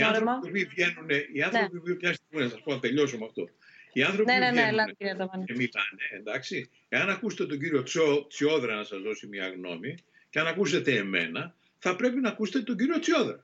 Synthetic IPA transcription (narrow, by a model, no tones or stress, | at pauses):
iɐθoopivʝe̞nune̞ʔiɐnθɾopiopiɲɐst̪iɣminɐsɐspo̞nɐt̪e̞ʎo̞somɐft̪o̞̰ | iɐnθɾo̞nenelɐɾiɐt̪ɐɐnemilɐneend̪ɐksi | e̞ɐnɐkuset̪et̪o̞ɲɟiɾio̞t͡sot͡sio̞ðɾɐnɐsɐzðo̞simɲɐ̰ɣno̞̰mi | ceɐnɐkus̬e̞t̪e̞ːme̞̰nɐ | θɐpɾe̞pinɐːkust̪eet̪o̞ɲɟiɾio̞t͡sio̞ðɾɐ